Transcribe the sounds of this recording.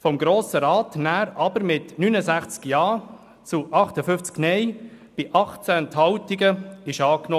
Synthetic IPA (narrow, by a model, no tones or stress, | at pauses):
fɔmɡɾoːsəɾɑːtnæːɾɑb̥əɾmɪtnynəzæχt͡skjɑː | t͡suʔɑχtəfʏft͡sknɛj | b̥ɪʔɑχt͡sænthɑwtiɡəɪʃɑːknoː